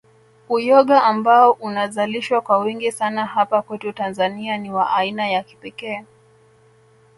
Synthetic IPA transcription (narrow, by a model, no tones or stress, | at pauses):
ujɔɠaʔːmbaɔʔunazaliʃwakwawiŋɡisanaɦapakwɛtutanzanianiwaʔainajaki̥pɛkɛː